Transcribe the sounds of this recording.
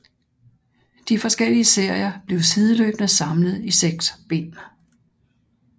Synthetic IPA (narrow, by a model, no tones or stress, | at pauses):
d̥ifɒ̽sɡ̥el̰iəse̝ɐ̰jɐb̥le̝ʊsið̞ˠəlø̰ːb̥nəsɑ̈mləð̩ˠiseɡ̥sb̥e̝̰ːn